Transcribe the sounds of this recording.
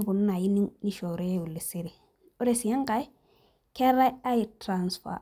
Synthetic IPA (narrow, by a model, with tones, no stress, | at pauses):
ku˨n˦na˨ji˦ni˦ni˦ʃɔ˨ɾe˦je˦u˨lːe˨se˦de˨ | o˦ɾe˨si˨jã˦ŋka˨˦ | kɛ˦ɾa˦a˦je˨tɾã˨nsfa̰˨